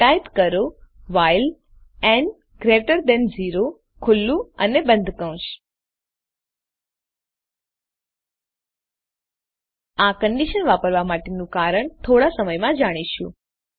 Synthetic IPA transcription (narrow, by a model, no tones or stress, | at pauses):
ʈajpkəɾo | ʋajl | ɛn | ɡɾeʈəɾd̪ɛnziɾo | kʰʊlːũənebə̃nd̪ʱkəʋ̃ʃ | akəɳɖiʃənʋapəɾʋamaʈenũkaɾəɳt̪ʰoɽasəməjmãd͡ʒaɽ̃iʃṵ̃